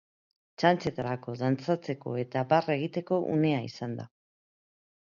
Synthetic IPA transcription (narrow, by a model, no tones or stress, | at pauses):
t͡ʃant͡se̞t̪aɾako̞ðant͡sat͡se̞ko̞̰e̞t̪apare̞ɣ̞it̪e̞ko̞ʔṵne̞aḭsand̪a̰